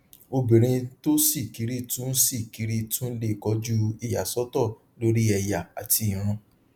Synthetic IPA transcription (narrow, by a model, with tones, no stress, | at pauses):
o˧bĩ˨ɾ̃ĩ˧to˦si˦˨ki˨˦ɾi˦tũ˦n̩˦si˦˨ki˨˦ɾi˦tũ˦n̩˦le˦˨kɔ˨˦d͡ʒu˦i˨ja˨sɔ˦tɔ˦˨ | lo˦ɾi˦ɛ˧ja˨a˨tʰi˧i˨ɾ̃ũ˧